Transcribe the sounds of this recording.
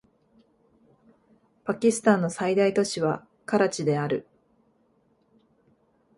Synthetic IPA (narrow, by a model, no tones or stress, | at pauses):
pakʲisɨ̥t̪ãnːo̞said̪ait̪o̞ɕiβa | kaɾat͡ɕid̪e̞aɾɯ̟̰